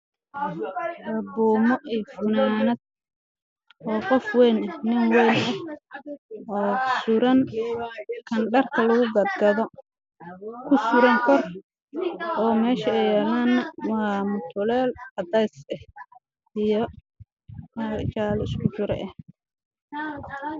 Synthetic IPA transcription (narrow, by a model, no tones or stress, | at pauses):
ɐbuːmɔʔijfʊnaːnɐd̪̚ | ʔɔːqɔfwɛjnɐhnɪŋwɛjnɐh | ɔːsʊɾɐn | kʰɐnɖɐrkʰɐlɐɣʊɡɐd̪ɡɐðɔ | kʰʊsʊɾɛŋkʰɔr | ʔɔːmɛːʃɐɛjɛːlaːnːɐwɑmʊt̪ʰʊlɛːlɐd̪ɛjsɛh | ijɔ | mɐt͡ʃaːlɪskʰʊt͡ʃʊɾɛ̰ʔɛh